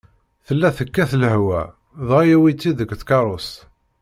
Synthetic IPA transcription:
θəlːæθəkːæθləhwæ̰ | ðˤɑjæwit͡sːiðəɡθkɑɾˤos

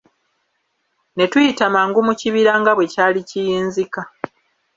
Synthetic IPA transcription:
ne̞tujitamaːŋɡumuciβiɾaːŋɡaβwe̞caːlicijiːnzika

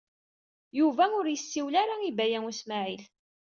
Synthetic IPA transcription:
juvæʊɾjəsːiwlaɾaibæjæŋusmaʕil

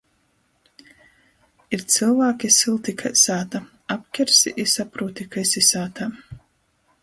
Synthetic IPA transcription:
iɾt̪sɨlˠvaːkʲisilˠt̪ikʰajsaːt̪a | ap̚kʲɛɾsiʔisapɾuːt̪ikajsisaːt̪a

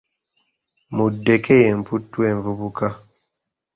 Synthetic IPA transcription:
mudekʰejɛmpʰutːuɛɱvubuka

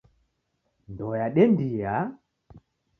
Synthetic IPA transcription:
ndɔjaɗɛndija

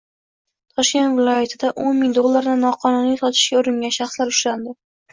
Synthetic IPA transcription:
t̪ʰɒʃkʲe̞nt̪vɪlˠɒjat̪ʰɪd̪aʔonmɪŋd̪olˠːaɾd̪anɒqʰɒnunisɒt̪ʰɪ̥ʃɡʲaʊɾɪŋɡʲanʃɑχslaɾʊʃɾand̪ɪ

